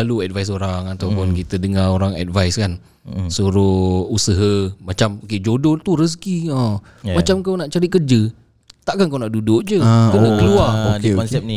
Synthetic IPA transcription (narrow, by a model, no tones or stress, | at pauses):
aluɛt̚vajs̬oɾaŋat̪awpʊnkit̪ədəŋaoɾaŋɛ̰t̚vajskan | suɾʊusəɦəmat͡ʃamoked͡ʒodot̪urəs̬kiã | mat͡ʃamkawnaʔt͡ʃaɾit̪̚kərd͡ʒə | t̪aʔkankawnaʔdudʊʔd͡ʒəkanakəluaokɔnsɛp̚ni